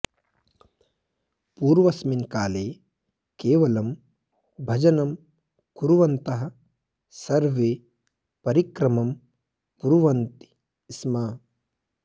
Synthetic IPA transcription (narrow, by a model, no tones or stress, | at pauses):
puːɾʋɐsminkaːleː | keːʋɐlɐm | bʱɐd͡ʒɐnɐm | kuɾuʋɐnt̪ɐɦɐ | sɐɾʋeː | pɐɾikɾɐmɐm | puɾʋɐnt̪i̥ | smaː